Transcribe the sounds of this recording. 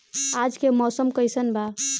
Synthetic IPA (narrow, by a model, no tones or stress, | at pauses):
ad͡ʒkemɔsəmkəjsənba